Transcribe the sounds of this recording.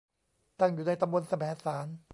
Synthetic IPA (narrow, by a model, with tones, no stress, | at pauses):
t̪a˥˩ŋjuː˨˩naː˧˥˩jt̪a˧mbo˧˨nsa˧mɛː˨˩˦saː˩˦n